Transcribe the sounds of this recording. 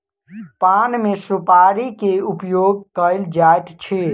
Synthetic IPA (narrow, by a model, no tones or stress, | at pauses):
panmesupaɾikeupjoɡ̚kəɪld͡ʒajt̪t͡ʃʰi